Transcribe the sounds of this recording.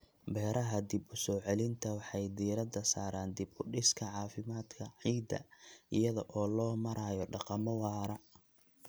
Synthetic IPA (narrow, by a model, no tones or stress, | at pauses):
bɛːɾɐɦɐd̪ɪbʊsɔːʕɛlɪnt̪ʰɐwɑħɑjd̪iːɾɐd̪ɐsaːɾaːnd̪ɪbʊɖɪskʰɐʕɑːfɪmaːd̪kʰɐʕiːd̪ɐ̰ɪjɐðɔʔɔːlɔːmɐɾʔaːjɔɖɑqɑmɔwɑːɾɐ